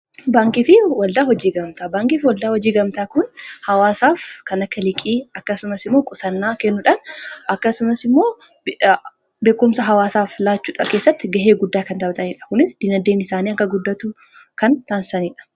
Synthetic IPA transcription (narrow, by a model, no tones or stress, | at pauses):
baːŋkifɪwɐld̪aːhɔd͡ʒiːɡɐmt̪aːbaːŋkiːfɪwɐld̪aːhɔd͡ʒiːɡɐmt̪aːkʊnhɐwaːsaːfkɐnɐkːɐlɪkʼiːɐkːɐsʊmɐsɪmːo̞ːkʼʊsɐnːaːkɛnːʊᶑɐnʔɐkːɐsʊmɐsɪmːo̞ː | be̞ːkːʊmsɐɦɐwaːsaːflaːt͡ʃːuːᶑɐke̞ːsːɐt̪ːɪɡɐɦe̞ːɡʊd̪ːaːkɐnt̪ɐbt̪ɐniːᶑɐ̥kʊnɪsd̪̥ɪnɐd̪ːeːnɪsaːniːɐŋkɐɡʊd̪ːɐt̪u | kɐnt̪aːnsɐniːᶑɐ̥